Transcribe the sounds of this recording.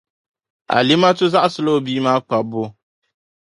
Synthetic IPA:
a̰˨li˦ma˦tʊ˦za˦ʔa˦sɨ˦lo˦biː˦maː˦k͡pa˨bʊ˦

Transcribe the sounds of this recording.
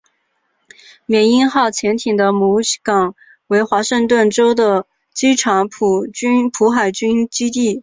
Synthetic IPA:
mjɛ˨˩ni˥nxɑ˥˩ʊt͡ɕʰjɛ˧˥nt̪ʰi˨˩ŋd̪ə˦mu˧˥kɑ˨˩˦ŋ | we˧˥ɪxwa˧˥ʂɤ˥˧ŋt̪̬wə˥˩nʈ͡ʂo˥ʊd̪ə˨ | t͡ɕi˥ʈ͡ʂʰɑ˧˥ŋpʰu˨˩y˥npʰu˧˥xa˨˩ɪt͡ɕy˥nt͡ɕi˥t̪i˥˩

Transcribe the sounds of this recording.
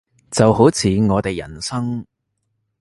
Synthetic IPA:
t͡sɐ˨wɦo˨˥wt͡sʰiː˨˧ŋɔː˨˧t̪e˨jːɐ˨˩nsɐ˥ŋ

